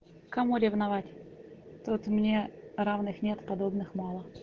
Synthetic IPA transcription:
kɐmuɾʲɪvnɐvatʲt̪ot̪mnʲeɾavnɨxnʲet̪pɐd̪obnɨxmɑlˠə

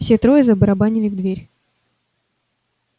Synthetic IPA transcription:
fsʲet̪ɾojɛzɐbəɾɐbanʲɪlʲɪvd̪vʲeɾʲ

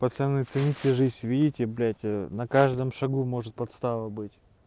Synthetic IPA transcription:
pɐt̪sʲɐnɨt̪sɨnʲit̪ʲɪʐɨzʲvʲidʲɪtʲɪblʲætʲnɐkaʐd̪ɨmʂɐɡumo̞ʐɨt̪̚pɐt̪st̪alˠəbɨtʲ

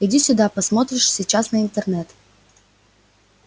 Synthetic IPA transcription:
idʲisʲʊd̪apɐsmot̪ɾʲɪʂsʲit͡ɕasnəɪnt̪ərnɛt̪

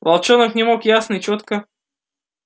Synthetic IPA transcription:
vɐlˠt͡ɕonəknʲɪmo̞kjasnɨt͡ɕot̪kə

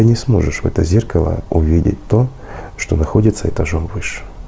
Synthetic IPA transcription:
ɨnʲɪsmo̞ʐɨʂvɛ̰t̪əzʲerkəlˠə̰ʊvʲidʲɪ̰t̚ʲt̪o̞ | ʂt̪o̞nɐxo̞dʲɪt̪səɛt̪ɐʐomvɨʂɨ̥

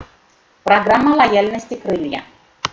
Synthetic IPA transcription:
pɾɐɡɾamːɐlˠajalʲnəsʲtʲikɾɨlʲja̰

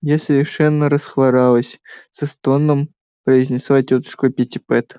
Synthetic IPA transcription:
jasəvʲɪrʂɛnːəɾəsxvˠaɾalˠəsʲsɨst̪onːəm | pɾəizʲnʲɪslˠatʲot̪ɨ̥ʂkʊɐpʲɪtʲɪpɛt̪

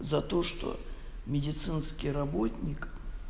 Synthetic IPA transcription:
zɐt̪o̞ʂt̪o̞̰mʲɪdʲɪt̪sɨnskʲɪjɾɐbo̞t̪ʲnʲɪk

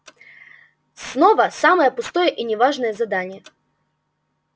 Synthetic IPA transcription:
snovɐsaməjəpʊst̪ɔjəʔinʲɪvaʐnəjəzɐd̪anʲɪjə

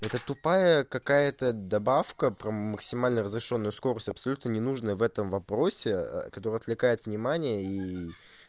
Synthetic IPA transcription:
ɛt̪ət̪ʊpajəkɐkajət̪əd̪ɐbafkəpɾəməksʲɪmalʲnərəzɾʲɪʂo̞nːʊjʊsko̞ɾəsʲtʲɐpsɐlʲut̪nənʲɪnuʐnəjəvɛt̪əmvɐpɾo̞sʲɪ̰kɐt̪o̞ɾɨjɐt̪vlʲɪkajɪt̪vnʲɪmanʲɪjəi

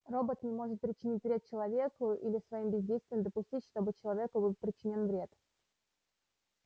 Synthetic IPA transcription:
ro̞bət̪nʲɪmo̞ʐɨt̪̚pɾʲɪt͡ɕɪnʲitʲvɾʲe̞t̪̚t͡ɕɪlˠɐvʲe̞kʊʔḭlʲɪsvɐimbʲɪzʲdʲejst̪vʲɪjəmd̪əpʊsʲtʲitʲʂt̪o̞bɨt͡ɕɪlˠɐvʲe̞kʊbɨlˠpɾʲɪt͡ɕɪnʲonvɾʲe̞t̪

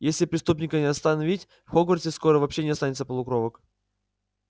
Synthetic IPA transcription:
jesʲlʲɪpɾʲɪst̪upnʲɪkənʲɪɐst̪ɐnɐvʲitʲ | fxoɡvərtʲɪskoɾəvɐpɕːenʲɪɐst̪anʲɪt̪səpəlˠʊkɾovək

